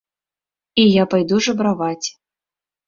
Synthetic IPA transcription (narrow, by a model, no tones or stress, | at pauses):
ijapajd̪uʐɐbɾavat͡sʲ